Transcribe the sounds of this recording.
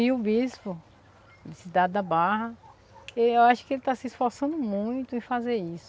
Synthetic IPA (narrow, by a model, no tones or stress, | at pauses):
hiʊbispʊ | d̪ɪsid̪ad̪ɪd̪abaɦɐ | eewaʃʊ̥kɪelɪt̪asɪisfɔɾsɐ̃nd̪ʊmũj̃t̪ʊẽj̃fazeɾisʊ̥